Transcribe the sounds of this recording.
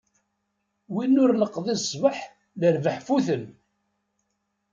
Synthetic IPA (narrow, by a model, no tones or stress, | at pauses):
winːʊɾnəqːðˤisˤːvəħ | ləɾvəħfuθən